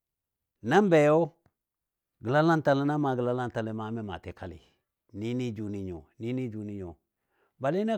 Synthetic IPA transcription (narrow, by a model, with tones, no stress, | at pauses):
na˦mbe˨jo˦ | ɡə˨la˦la˦nta˨le˦na˦ma˨ɡə˨la˦la˦n˨ta˨le˨ma˨˦me˦ma̰˨te˨kʰa˨lḭ˨ | ni˦ni˦d͡ʒu˨ni˨ɲo̰˨ni˦ni˦d͡ʒu˨ni˦ɲo˨ | ba˨li˦ne˦